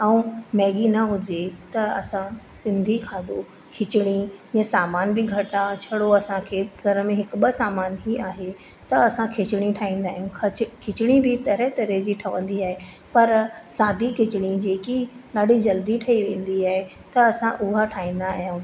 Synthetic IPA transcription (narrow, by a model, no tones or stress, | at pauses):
ɛũmɛːɠinɐɦʊd͡ʑet̪ɐɐsãsɪ̃nd̪ʱikʰaːd̪o | kʰɪt͡ɕɪɽ̃iãsaːmaːnbɪɡʱɐʈãt͡ɕʰɐɽoɐsãkʰeːɡʱɐɾəmẽɦɪkʊ̆ɓəsaːmaːnɦiaːɦe | t̪ɐɐsãkʰɪt͡ɕɪɽ̃iʈʰaːĩːn̆d̪aːɦɪjũkʰkʰɪt͡ɕɪɽ̃ibʱɪt̪ɐɾɛɦt̪ɐɾed͡ʑiːʈʰɐʋə̰̃nd̪iaːɦe | pɐɾsaːd̪ʱikʰɪt͡ɕɪɽ̃id͡ʑeːkiɗaːɖʱid͡ʑɐld̪iʈʰɐiʋẽːnd̪iaːɦe | t̪ɐɐsãʔʊɦaʈʰaːĩːn̆d̪aːjũː